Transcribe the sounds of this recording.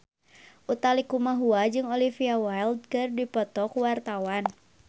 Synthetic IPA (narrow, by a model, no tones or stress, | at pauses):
ʔut̪alikumaɦuad͡ʒɨŋɔlifiawajld̪̚kɨrdipɔt̪ɔkuwart̪awan